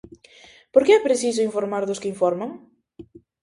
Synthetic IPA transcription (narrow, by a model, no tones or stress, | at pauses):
poɾkeɛpɾeθis̬ʊiɱfoɾmaɾðʊskɪiɱfɔɾmaŋ